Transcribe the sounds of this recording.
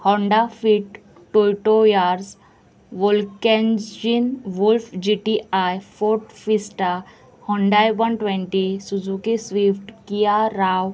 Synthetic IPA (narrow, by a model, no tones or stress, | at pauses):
hɔɳɖafiʈː | ojʈojaːɾs | ʋolkend͡ʒd͡ʒinʋulfd͡ʒiʈiajfʰoɾʈfisʈa | hɔ̃ɳɖajbɔɳʈʋẽɳʈisud͡ʒukisʋifʈkijaɾaːw